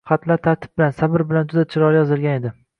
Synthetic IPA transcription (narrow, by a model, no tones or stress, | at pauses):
χɑt̪ʰlaɾt̪ʰaɾt̪ʰɪ̥p̚bɪlansabɪɾbɪland͡ʒʊd̪at͡ʃʰɪɾɒɾjɒzɪlˠɡʲane̞d̪ɪ